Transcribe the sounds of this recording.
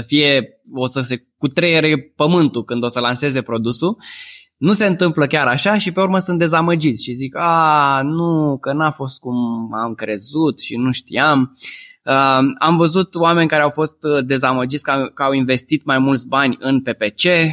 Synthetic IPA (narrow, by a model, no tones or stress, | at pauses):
əfije̞ | o̞səse̞ | kut̪ɾejeɾe̞pəmɨnt̪ukɨnd̪o̞səlanse̞ze̞pɾo̞d̪usu | nuse̞ɨnt̪ɨmpləkʲaɾaʃaʃipe̞uɾməsɨnt̪d̪e̞zaməd͡ʒit̪sʲʃizikanukənafo̞st̪̚kumamkɾe̞zut̪ʃinuʃt̪ḭaməa̰mvəzut̪owame̞nʲkaɾeawfo̞st̪d̪e̞zaməd͡ʒit̪sʲkakəawinve̞st̪it̪majmult̪sʲbanʲɨnpe̞pe̞t͡ʃe̞